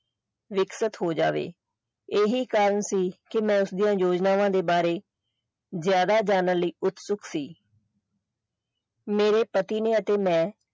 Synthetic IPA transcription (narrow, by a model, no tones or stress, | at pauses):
ʋɪksət̪ɦoːd͡ʒaːʋḛː | eːɦiːkaːɾənsiːkɪmɛ̃ːʊsd̪ijãːjoːd͡ʒnaːʋãːd̪eːbaːɾeː | zjaːd̪aːd͡ʒaːnəliːʊt̪sʊksiː | meːɾeːpət̪iːneːət̪eːmɛ̃ː